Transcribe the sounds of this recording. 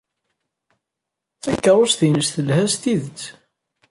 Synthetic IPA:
θækːəɾˤosθinəsθəlhæst̪iðət͡sː

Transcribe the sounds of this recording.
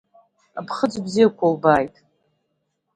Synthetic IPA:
apʰχəd͡zbzijakʷʰalbaːjtʼ

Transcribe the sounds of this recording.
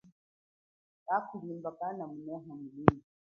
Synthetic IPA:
kakulimbakanamunɔɦamulimu

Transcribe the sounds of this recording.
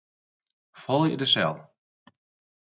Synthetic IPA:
fɔlˠjə̰dəsɛ̰lˠ

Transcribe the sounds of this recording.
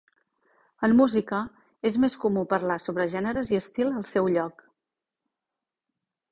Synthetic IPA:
əmːuzikə | ezmeskumupəɾlasoβ̞ɾəʒɛnəɾəziəst̪ilˠəlˠsɛwʎɔk

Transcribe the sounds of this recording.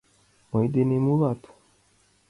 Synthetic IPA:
mɔ̃id̪enemuβat̪u̥

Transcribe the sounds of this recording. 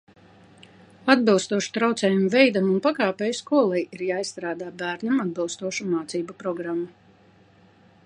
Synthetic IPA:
ad̪bilˠst̪uɔʃu̥t̪ɾawt̪sɛːjumvɛjd̪amunpakaːpɛjuskuɔlˠɛjiɾjaːisːt̪ɾaːd̪aːbæːɾɲamad̪bilˠst̪uɔʃumaːt̪siːbapɾɔɡɾamːu

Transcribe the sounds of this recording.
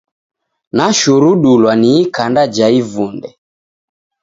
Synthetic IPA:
naʃuɾuɗulwaniːkandad͡ʒaivundɛ

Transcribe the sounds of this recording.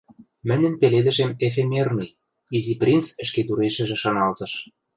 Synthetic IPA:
mɘ̆nʲɘ̆npeled̪ɘ̆ʃemef̬emernɤj | iziprʲint͡sɘ̆ʃket̪uɾeʃɘ̆ʒĕʃɑnɑlt̪ɤ̆ʃ

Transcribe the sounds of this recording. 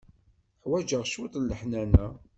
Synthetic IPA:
ħwæd͡ʒəʁʃwut̪ˤlːəħnænæ

